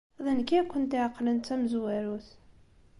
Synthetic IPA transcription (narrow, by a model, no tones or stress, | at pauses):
ðænkːiækʷːənt̪iʕqːlənt̪ːæmzwæɾuθ